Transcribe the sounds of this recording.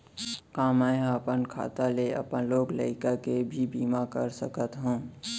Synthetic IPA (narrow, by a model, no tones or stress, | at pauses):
kãːmãjɦəpənkʰa̰ːt̪aleə̰pənloːɡləɪkakebʱibiːmakəɾsəkət̪ɦũː